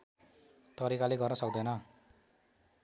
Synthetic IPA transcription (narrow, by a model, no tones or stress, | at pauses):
t̪ʌɾikaleɡʌrnʌsʌkd̪ʌnʌ